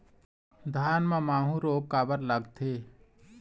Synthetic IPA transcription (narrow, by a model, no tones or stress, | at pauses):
d̪ʱaːnmãmaːɦũɾoːkːaːbəɾləɡt̪ʰeː